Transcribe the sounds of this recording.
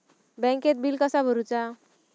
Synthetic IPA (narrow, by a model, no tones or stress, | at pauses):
bɛ̃ŋket̪̚bilkəsabʱəɾut͡sa